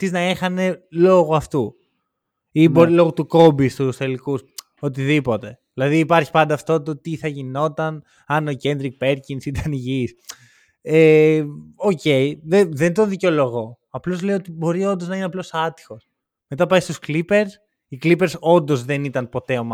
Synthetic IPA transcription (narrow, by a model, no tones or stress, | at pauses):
t̪iznɐexɐne̞lo̞ɣuɐft̪u | ibo̞ɾilo̞ɣut̪uko̞bist̪usθe̞likus | ot̪̬iðipo̞t̪e̞ðilɐðiːpɐɾçi̥pɐnd̪ɐːft̪o̞t̪ot̪iθɐʝino̞t̪ɐn | ɐnoce̞nd̪ɾik̚pe̞ɾcinsit̪ɐniʝis | e | oce̞jðeðe̞nd̪oðico̞lo̞ɣo̞ | ɐplo̞zle̞joot̪ibo̞ɾio̞nd̪o̞znɐineɐplo̞sɐt̪i̥xo̞s | me̞t̪ɐpɐjst̪usklipe̞ɾs | iklipe̞ɾso̞nd̪o̞zðe̞nit̪ɐnpo̞t̪e̞omɐ